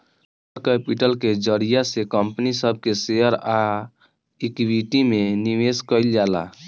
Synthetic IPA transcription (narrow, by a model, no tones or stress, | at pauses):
ɾkepiʈəlked͡ʒəɽijasekəmpnisəb̚ʱkeseəɾa | ikiwiʈimeniʋeskəɪld͡ʒala̰